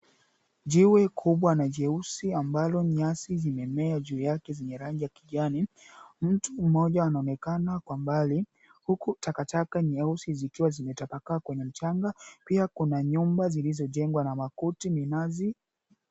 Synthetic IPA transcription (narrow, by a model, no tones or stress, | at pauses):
ʄiwɛkʰuɓwanaʄɛusiambalɔɲasizimɛmɛaʄuːjakɛzɛɲɛɾaŋɡijakiʄani | m̩tum̩ɔʄaːnaɔnɛkanakwambali | hukutakatakaɲɛusizikiwazimɛtapakakwɛɲɛm̩t͡ʃaŋɡapiakunaɲumbazilizɔʄɛŋɡwanamakutiminazi